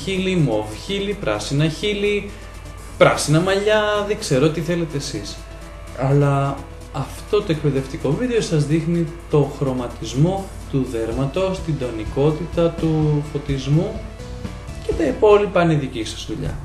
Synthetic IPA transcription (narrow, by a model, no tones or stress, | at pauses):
çilimo̞vçilipɾɐ̰sinɐçili | pɾɐsinɐmɐʎɐðeɡse̞ɾot̪iθe̞le̞t̪e̞ːsis | ɐlɐ | ɐft̪o̞t̪o̞e̞kpe̞ðe̞ft̪iko̞viðeo̞sɐzðixnit̪o̞xɾo̞mɐt̪izmo̞ | t̪uðe̞ɾmɐt̪o̞st̪ind̪o̞niko̞t̪it̪ɐt̪ufo̞t̪izmu | ce̞t̪ɐipo̞lipɐniðicisɐzðuʎɐ̰